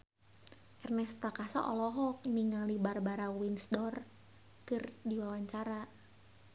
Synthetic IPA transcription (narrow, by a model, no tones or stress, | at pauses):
ʔɛrnɛsprakasaʔɔlɔɦɔk̚niŋalibarbaɾawinsdɔr | kɨrdiwawaɲt͡ʃaɾa